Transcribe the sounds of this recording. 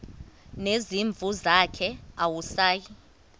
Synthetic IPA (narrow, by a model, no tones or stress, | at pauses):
neziɱb̪vʱuzakʰɛawusaːji